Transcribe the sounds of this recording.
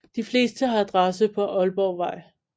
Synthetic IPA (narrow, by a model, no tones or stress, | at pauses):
d̥ifle̝̰ːsd̥əɦɑ̈d̥ʁɑsəpʰɒ̽ʔɒ̽lb̥ɒʊʋɑ̈ɪ̰